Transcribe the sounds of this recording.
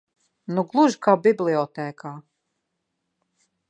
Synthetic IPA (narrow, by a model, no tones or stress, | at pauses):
nuɡlˠuʒkaːbiblʲiɔt̪ɛːkaː